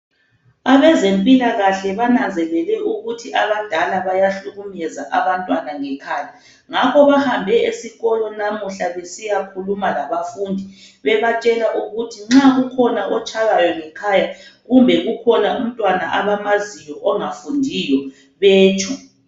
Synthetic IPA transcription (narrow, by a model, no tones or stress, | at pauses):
aβɛzempʼilaɣaɬɛβananzɛlɛlɛʔuɣutʰiʔaβad̥ʱalaβajaɬuɣumɛza̰ʔaβantʼwanaŋɛkʰaːja | ŋakʰɔβahambʱɛesiɣɔlɔnamuɬaβesijakʰulumalaβafuːndʱi | βɛβat͡ʃʼɛlaʔuɣutʰiŋ͡ǁaɣukʰɔnaʔɔt͡ʃʰʼaɣajɔŋɛkʰajaɣumbʱɛɣukʰɔnaum̩tʼwanaʔaβamazijɔʔɔŋafundʱijɔ | βeːt͡ʃʼʰu